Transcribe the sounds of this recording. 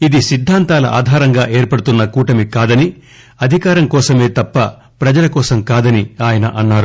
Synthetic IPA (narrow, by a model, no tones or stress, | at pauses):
id̪isid̪ʱːaːnt̪aːlɐʔa̰ːd̪ʱaːɾɐŋɡaːʔe̞ːɾpɐɽut̪unːɐkuːʈɐmikaːd̪ɐni | ɐd̪ʱikaːɾɐmkɔːsɐme̞ːt̪ɐpːɐ̰ | pɾɐd͡ʒɐlɐkɔːsɐmkaːd̪ɐniaːjɐnɐʔɐnːaːɾu